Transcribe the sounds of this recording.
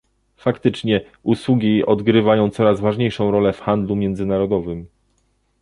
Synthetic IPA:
fakt̪ɘt͡ʂɲɛ | ʔuswuɡʲiɔd̪ɡɾɘvajɔ̃w̃t̪sɔɾazvaʐɲejʂɔ̃w̃ɾɔlɛfxand̪lumʲjɛnd̪zɘnaɾɔd̪ɔvɘm

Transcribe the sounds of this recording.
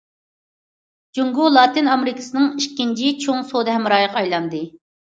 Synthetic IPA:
d͡ʒuŋɡulˠɑːt̪ɨnɑmeɾɨkʰɨ̥sɨnɨŋiʃkʲːint͡ʃʰit͡ʃʰoŋsod̪ɨɦɛmɾɑːjəqʰɑjlˠɑnd̪ɨ

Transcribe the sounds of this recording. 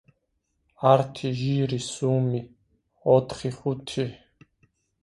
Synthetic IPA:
aɾt̪ʰiʒiːɾisuːmi | ɔt̪χiχut̪ʰi

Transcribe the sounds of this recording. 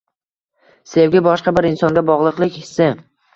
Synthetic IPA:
sewɡʲɪbɒʃqɑbɪɾɪnsɒŋɡʲabɒʁlˠɨqlˠɪkʲhɪ̥sɪ

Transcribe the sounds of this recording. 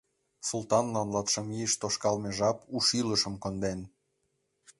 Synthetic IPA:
sult̪ɑnlɑnlɑt̪ʃɤ̆miəʃt̪oʃkɑlmeʒɑpuʃiləʃə̆mkond̪en

